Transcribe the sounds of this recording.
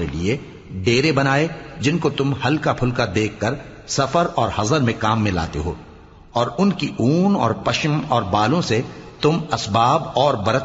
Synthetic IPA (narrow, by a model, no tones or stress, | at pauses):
ɾelie | ɖeːɾebɐnaːed͡ʒɪnkot̪ʊmhɐlkapʰʊlkad̪eːkʰːɐɾ | sɐfəɾɔːɾhɐzəɾmẽkaːmːẽla̰ːt̪ḛɦo̰ː | ɔːɾʊnkiʔuːnɔ̰ːɾpɐʃəmɔːɾbaːlõset̪ʊmɐsbaːb̚ɔːɾbɐɾət̪